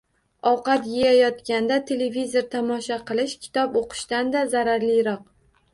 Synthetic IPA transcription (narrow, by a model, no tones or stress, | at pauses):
ɒwqɑt̪jejajɒt̪kʲand̪at̪ʰe̞levizoɾt̪ʰamɒʃaqʰɨlˠɪʃkʲʰɪ̥t̪ʰɒpoqʰɨ̥ʃt̪and̪azaɾaɾlɪjɾɒq̚